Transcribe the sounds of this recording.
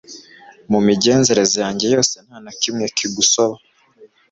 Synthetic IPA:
mumiɟe̞ːnze̞ɾe̞zojaːɲɟe̞jo̞ːse̞n̥haːnakimŋe̞kiɡuso̞βa

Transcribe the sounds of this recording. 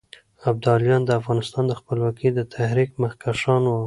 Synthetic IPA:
ab̚d̪ɑljɑnd̪əafɣɑnɪst̪ɑnd̪əxpəlwɑkid̪ət̪ʰahɾikmaxkaʃɑnwa

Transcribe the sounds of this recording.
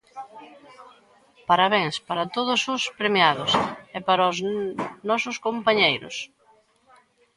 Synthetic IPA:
paɾaβeŋspaɾat̪oðʊsʊspɾemjaðʊsepaɾaʊznɔsʊskompaɲejɾʊ̰s

